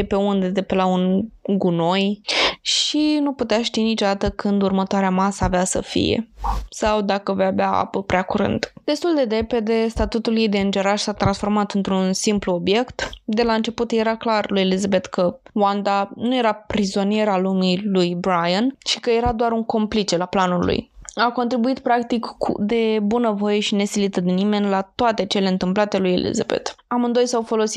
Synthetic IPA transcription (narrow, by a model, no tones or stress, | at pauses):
epe̞und̪e̞d̪epelaunɡuno̞jʃinuput̪eaʃt̪init͡ʃo̞d̪at̪əkɨnd̪urmət̪oaɾeamasaːveasə̰fḭjḛsawd̪akəvojabeaa̰pəpɾeakuɾɨ̰nd̪d̪e̞st̪uld̪e̞ɾe̞pe̞d̪e̞st̪at̪ut̪uljejd̪eɨnd͡ʒe̞ɾaʃsat̪ɾansfo̞rmat̪ɨnt̪ɾunsimpluo̞bje̞kt̪d̪e̞laɨnt͡ʃe̞put̪je̞ɾaklarlujelizabe̞t̪kʰəwand̪anuje̞ɾapɾizo̞nije̞ɾalumilujbɾajənʃi̥kəje̞ɾad̪oaɾuŋko̞mplit͡ʃelaplanulṵjako̞nt̪ɾibuit̪pɾakt̪ikːṵd̪e̞bunəvo̞je̞ʃine̞silit̪əd̪inime̞nʲlat̪oat̪e̞t͡ʃe̞le̞ɨnt̪ɨmplat̪e̞lujelʔḭza̰bḛt̪amɨnd̪o̞jsawfo̞lo̞si̥t̪